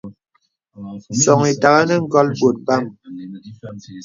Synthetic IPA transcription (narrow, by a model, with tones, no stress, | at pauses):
sɔ˨ŋi˨ta˨ɣa˦nə˦ŋ̩˦ɡɔ˦lbo˨t̚ba˦˨m